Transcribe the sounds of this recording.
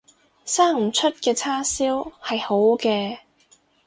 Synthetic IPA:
saː˥ŋm̩˨˩t͡ʃʰɵ˥t̚kɛː˧t͡sʰaː˥siː˥whɐ˨jho˨˥wkɛː˧

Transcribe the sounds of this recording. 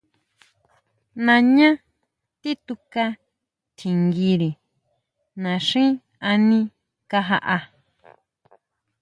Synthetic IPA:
nã˧ɲã˦ | t̪i˦t̪u˧ka˧ | t̪ʰi˨ŋɡi˧ɾi˨ | nã˨ʂĩ˦ | a˧nĩ˧ | ka˧ɦa˧ʔa˧

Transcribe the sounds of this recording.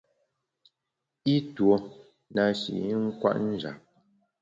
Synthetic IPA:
i˦two˨ | na˨ʃḭ˨ʔŋ̩˦kwa̰˦ʔn̩˦d͡ʒa̰˨p̚

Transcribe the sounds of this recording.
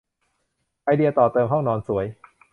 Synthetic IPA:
ʔa˧jdi˧ɐt̪ɔː˨˩t̪ɤː˧mɦɔ˥˩ŋnɔː˧nsu˩˦əj

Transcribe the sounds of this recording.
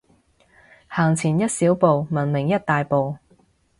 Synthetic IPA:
haː˨˩ŋt͡sʰiː˨˩njɐ˥t̚siː˨˥wpo˨wmɐ˨˩nmɪ˨˩ŋjɐ˥t̚t̪aː˨jpo˨˧w

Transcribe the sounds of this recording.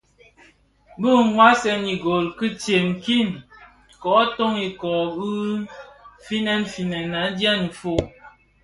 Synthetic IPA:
bu˦˨˦ŋwa˦sɛ˦ni˨ɡo˨lkɨ˦te˨mki˦˨n | kɔ˨˦to˦ŋi˨kɔ˨bu˦ | fi˦nɛ˦nfi˨nɛ˨na˨˦dja˦ni˨fo˦˨

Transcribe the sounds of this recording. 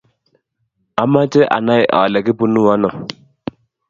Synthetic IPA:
a˨ma˦tɛ˦ʔa̰˨na˦jʔa̰˨lɛ˨ki˦pu˦nu˦wa˦nɔ˨

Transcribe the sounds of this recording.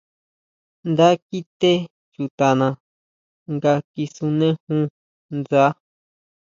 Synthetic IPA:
nd̪a˦ki˦t̪e˦ | t͡ʃu˨t̪a˨nã˧ | ŋɡa˧ki˧su˧nẽ˦hũ˦ | nd͡za˦

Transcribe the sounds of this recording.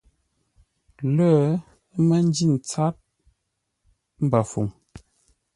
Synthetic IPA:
ləː˦ | mə˦n˦d͡ʒi˦˨n˨t͡sa˦t̚ | m̩˦ba˨fṵ˨ŋ

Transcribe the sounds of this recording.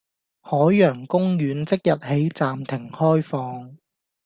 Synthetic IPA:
hɔː˨˥jːœː˨˩ŋkʊ˥ŋɥyː˨˧nt͡sɪ˥k̚jɐ˨t̚he˨˥jt͡saː˨mt̪ʰɪ˨˩ŋhɔː˥jfɔː˨˧ŋ

